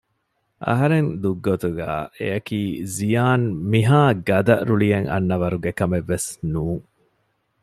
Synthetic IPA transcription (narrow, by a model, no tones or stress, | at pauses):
ʔɐ̰ɦɐɾend̪uɡːot̪uɡæ̰ːḛɐkiːzijaːnmiɦaːɡɐd̪ɐɾuɭijeŋɐ̰nːɐʋɐɾuɡekɐmeʋːesnuːŋ